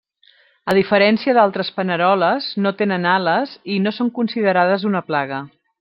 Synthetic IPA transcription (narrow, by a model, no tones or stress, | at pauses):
əðifəɾɛnsiəðalˠt̪ɾəspənəɾɔləznot̪enənaləzinosoŋkunsiðəɾað̞əzunəplaɣ̞ə